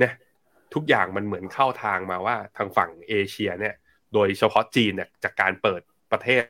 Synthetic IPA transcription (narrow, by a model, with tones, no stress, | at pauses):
na˦˥ʔ | t̪ʰu˦˥k̚jaː˨˩ŋma˧nmɯ˩˦ənkʰa˥˩wt̪ʰaː˧ŋmaː˧waː˥˩t̪ʰaː˧ŋfa˨˩ŋʔeː˧t͡ɕʰi˧ɐni˥˩ɐ | doː˧jt͡ɕʰa˧pʰɔ˦˥t͡ɕiː˧nːi˥˩ɐt͡ɕaː˨˩kːaː˧npɤː˨˩t̪̚pɾa˧t̪ʰeː˥˩